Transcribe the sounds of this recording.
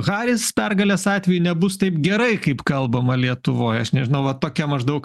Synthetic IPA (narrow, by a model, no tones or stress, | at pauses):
ɣɑːɾʲɪspʲɛrɡɐlʲɛːsɑːt̪ʲʋʲɛjunʲɛbʊst̪ɐɪpɡʲɛɾɐɪkɐɪpkɐlˠbɐmɐlʲiɛt̪ʊʋoːjɐʃnʲɛʒʲɪnɐʊʋɐt̪oːkʲɛmɐʒd̪ɐʊk